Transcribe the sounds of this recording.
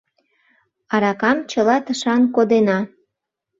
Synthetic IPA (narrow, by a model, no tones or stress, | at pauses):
ɑɾɑkɑmt͡ɕəlɑt̪əʃɑnkod̪enɑ